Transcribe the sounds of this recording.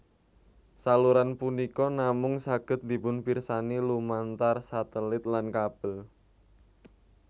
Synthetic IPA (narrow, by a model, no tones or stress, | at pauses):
saluɾanpunikɔnamʊŋsaɡ̥ə̤t̪̚d̪i̤pʊnpirsanilumant̪arsat̪əlɪt̪̚lankab̥əl